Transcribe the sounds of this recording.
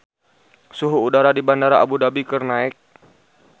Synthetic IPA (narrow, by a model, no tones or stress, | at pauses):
suɦuːdaɾadibandaɾaʔabudabikərnaɛk̚